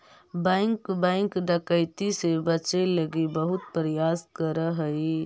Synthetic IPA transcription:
baŋkbɛ̃ɪŋkɖəkəɪt̪isebət͡ʃeləɡibəɦʊt̪̚pɾəjaskəɾəɦəi

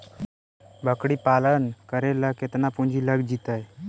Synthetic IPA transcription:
bʱəkɽiːpalənkəɾeləket̪napuɲd͡ʑʱiːləɡd͡ʑit̪aj

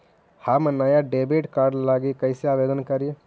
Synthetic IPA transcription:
haːmɐnaːjaɖeːbeʈkaːɾɖlaːɡikɐseaːʋeːd̪ənkɐɾie

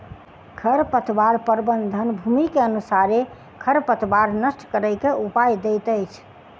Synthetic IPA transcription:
kʰəɾpət̪ʰbaɾpəɾbənd̪ʱənbʱumikeənusaɾe | kʰəɾpət̪ʰbaɾnəsʈʰkəɾəjkeʔupajd̪ejt̪əjt͡ʃʰ

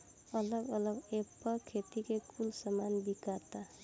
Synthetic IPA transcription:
ʌlʌɡʌlʌɡepːʌkʰet̪ikekʰulsʌmanbikat̪a

